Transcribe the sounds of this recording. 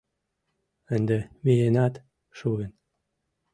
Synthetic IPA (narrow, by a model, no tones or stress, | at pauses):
ənd̪ĕmienɑt̪ | ʃuɣə̆n